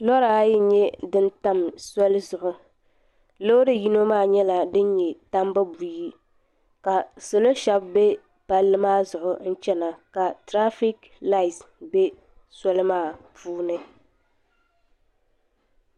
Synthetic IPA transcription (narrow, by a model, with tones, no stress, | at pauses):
lɔ˦ɾa˨a˦jɪ˦ɲɛ˦dɨ˦n˦ta˦msɔ˦lzʊ˨ʔʊ˦ | lo˦ɾɨ˦ji˦no˦maː˦˨ɲɛ˦la˨dɨ˦ɲɲɛ˨ta˦mba˦bu˨ji˦ | ka˨so˨lo˦ʃa˦bbe˦ | pa˦lːɨ˦maː˦˨zʊ˨ʔʊ˨n̩˦t͡ʃɛ˦na˨ka˨tɾa˦fi˦k | la˦˨i˨sbe˦ | sɔ˦lɨ˦maː˦˨puː˦nɨ˦